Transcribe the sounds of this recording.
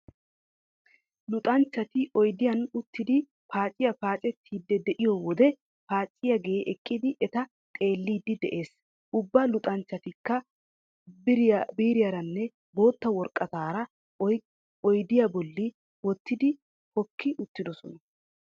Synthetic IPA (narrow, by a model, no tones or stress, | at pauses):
lʊt̪ʼɐnt͡ʃːɐt̪ɪɔjd̪ɪjɐnʊt̪ːɪd̪ɪ | paːt͡ʃʼɪjɐpaːt͡ʃʼɛt̪ʰːiːd̪ːɛd̪ɛʔɪjɔwɔd̪ɛ | paːt͡ʃʼːɪjɐɡeʔɛkʼːɪd̪ɪʔɛt̪ɐ | t̪ʼe̞ːlːiːd̪ːɪd̪ɛʔe̞ːs | ʔʊbːɐlʊt̪ʼɐnt͡ʃːɐt̪ɪkːɐ | bɪɾbiːɾɪjɐɾɐnːɛ | bo̞ːt̪ːɐwɔɾkʼːɐt̪aːɾɐ | ɔjd̪ɪjɐbɔlːɪ | wɔt̪ːɪd̪ɪ | hɔkʰːɪʔʊt̪ːɪd̪ɔsɔnɐ